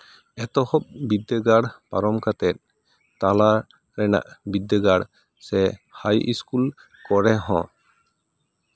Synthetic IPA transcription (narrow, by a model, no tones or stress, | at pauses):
ɛt̪ɔhɔp̚bid̪əɡaɽpa̰ɾɔmkat̪ɛt̪̚ | t̪ala | ɾɛna̰ʔbid̪ːəɡaɽ | sɛhajḭskul | kɔɾɛɦɔ̃